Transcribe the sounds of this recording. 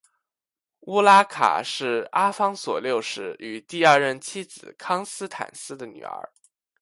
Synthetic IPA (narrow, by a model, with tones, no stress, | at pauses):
u˥la˥kʰa̰˨˩ʂɻ̩˥˩a˥fɑ˥ŋswɔ̰˨˩ljo˥˧ʊʂɻ̩˥˩y˨˩t̪i˥˧ɐ˞˥˧ɻə˥˩nt͡ɕʰi˥d͡zɹ̩˨˩kʰɑ˥ŋsɹ̩˥t̪ʰa̰˨˩nsɹ̩˥d̪ə˨ny̰˨˩ə̰˞˧˥